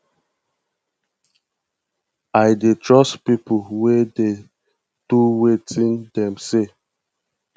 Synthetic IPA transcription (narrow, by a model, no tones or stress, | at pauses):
aɪdetɹɔstpipuwede | d̥uwetʰĩndɛ̃mse